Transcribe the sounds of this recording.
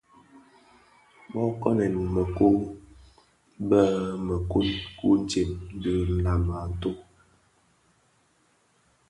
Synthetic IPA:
bɔ˦kɔ˦nɛ˨nmə˨ku˦ | bə˦mə˨ku˦nku˦n̩˦t͡ʃe˨mn̩˦diə˦n̩˨la˨ma˨n̩˦to˦

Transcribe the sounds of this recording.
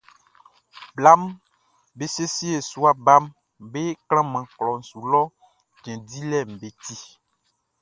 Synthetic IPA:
bla˦m | be˦se˦si˦e˨su˦a˦ba˦m | be˦klã˦mã˨klɔ˨n̩˨su˨lɔ˦ | d͡ʒɛ̃˨di˦lɛ˦˨m̩˨be˨t̪i˦

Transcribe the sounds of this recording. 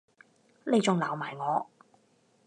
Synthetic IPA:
le˨˧jt͡sʊ˨ŋlaː˨˩wmaː˨˩jŋɔː˨˧

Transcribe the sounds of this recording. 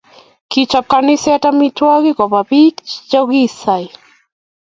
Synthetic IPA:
ki˨t͡ʃɔ˨kani˦sɛ˦ta˦mitwɔ˦ɣi˦kɔ˨ba˨bi˦kd͡ʒɔ˦ɡi˦sa˨j

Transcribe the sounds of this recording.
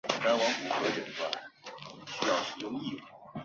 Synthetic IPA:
t̪a˥nwɑ˧˥ŋku˨˩xɤ˧˥t͡ɕə˨˩nfa˥˩ | ɕy˥jɑ˥˩ʊʂɻ̩˨˩jʊ˥˧ŋi˥˩˨

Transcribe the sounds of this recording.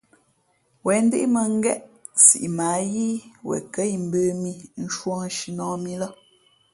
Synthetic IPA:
wɛ˨n̩˦de˦ʔmə˨ŋ̩˦ɡɛ˦ʔsḭ˨ʔi˨maː˨˦ji˦wɛ̰˨kə˦i˨m̩˨bəː˦mi˦n̩˦ʃwɔ̃˦ʃi˨nɔ̃ː˨˦mi˦lɔ˦

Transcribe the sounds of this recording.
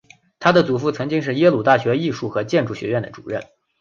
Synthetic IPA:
t̪ʰa˥d̪ə˨t͡su˨˩fu˥˩t͡sʰɤ˧˥ŋt͡ɕi˥ŋʂ̬ɻ̩˥˩jɛ˥lu˨˩t̪a˥˩ɕɥɛ˧˥i˥˧ʂu˥˩xɤ˧˥t͡ɕjɛ˥˧nʈ͡ʂu˥˩ɕɥɛ̰˧˥ɥɛ˥˩nd̪ə̰˩ʈ͡ʂṵ˨˩ɻə̰˥˩n

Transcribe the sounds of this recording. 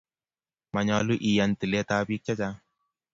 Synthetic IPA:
ma˨ɲɔ˧lu˦ʔi˨ja˨nti˨le˦ta˦bi˦k̚t͡ʃa˦t͡ʃa˦

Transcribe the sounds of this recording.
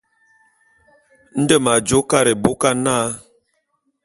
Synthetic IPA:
n̩˦də˦˨ma˨d͡ʒo˨˦ka˦ɾe˨bo˦ka˦naː˦

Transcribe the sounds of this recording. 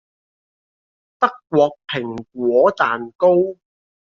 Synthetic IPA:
t̪ɐ˥kːwɔː˧k̚pʰɪ˨˩ŋk̚ʷwɔː˨˥t͡saː˨nko˥w

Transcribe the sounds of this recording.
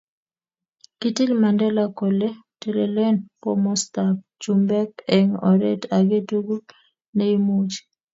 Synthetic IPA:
kiti˦lma˨ndɛ˦lako˨le˦te˨le˨le˦npɔmɔ˦stap̚t͡ʃumbɛ˦keŋɔ̰˨ɾḛ˦taɡe˦tuɡu˦ | ne˦imu˦t͡ʃ

